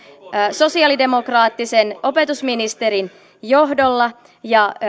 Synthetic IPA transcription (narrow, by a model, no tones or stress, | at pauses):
so̞siɑlide̞mo̞krɑːt̪ːiseno̞pe̞t̪usminist̪e̞ɾin | jo̞ɦdolːɑ | jɑ